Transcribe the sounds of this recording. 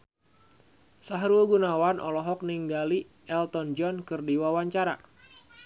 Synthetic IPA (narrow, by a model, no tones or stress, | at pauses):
saɦɾuɡunawanʔɔ̰lɔɦɔk̚niŋɡali | ʔɛlt̪ɔnd͡ʒɔnkɨrdiwawaɲt͡ʃaɾa̰